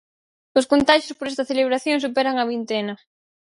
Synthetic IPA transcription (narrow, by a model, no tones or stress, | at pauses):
ʊskont̪aʃjospoɾɛst̪ɐθeleβ̞ɾaθjoŋsupɛɾɐŋɐβint̪enɐ